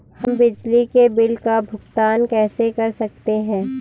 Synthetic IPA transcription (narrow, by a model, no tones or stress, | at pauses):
hɐmbɪd͡ʒlikebɪlkabʱʊɡt̪aːnkɛːsekɐɾsɐk̚t̪eɦɛ̃ː